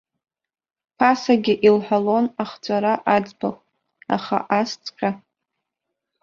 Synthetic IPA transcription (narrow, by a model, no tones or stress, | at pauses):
pʰasaɡʲɪʔilħʷalo̞naχt͡sʷʼaɾaʔad͡zbaχʼ | a̰χa̰ʔast͡sʼqʲʼa